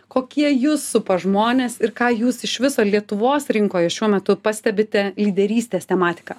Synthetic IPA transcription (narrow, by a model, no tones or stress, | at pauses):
koːkʲiɛjuːsːʊpɐʒmoːnʲeːsɪrkɑːjuːsɪʃʋʲɪsoːlʲiɛt̪ʊʋoːsɾʲɪŋkoːjɛʃʲuɔmʲɛt̪ʊpɑsʲt̪ʲɛbʲɪt̪ʲɛlʲiːd̪ʲɛɾʲiːsʲt̪ʲeːsʲt̪ʲɛmɑːt̪ʲɪ̥kɑː